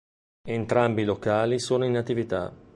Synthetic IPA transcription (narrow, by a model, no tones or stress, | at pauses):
ent̪ɾambiːlokaːlisoːnoinat̪ːivit̪a̰